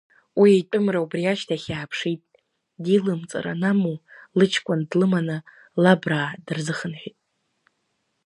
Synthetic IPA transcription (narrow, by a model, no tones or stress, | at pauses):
wiejtʷʼʊmraubriaʃtʰaχʲaːpʰʂitʼ | dilɨmt͡sʼa̰ɾa̰namulɨt͡ʃʰkʷʼʊndlɨmanɨ | labraːdɨrzɨχənħʷᶣitʼ